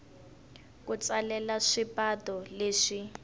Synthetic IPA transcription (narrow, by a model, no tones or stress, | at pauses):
k̬ut͡salɛlaʂipatɔleːʂi